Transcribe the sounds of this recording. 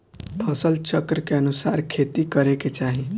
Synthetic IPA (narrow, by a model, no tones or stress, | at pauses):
p̪ʰɐsəlt͡ʃəkɾəkeɐnʊsaːɾkʰeːt̪ikəɾeket͡ʃaːɦĩ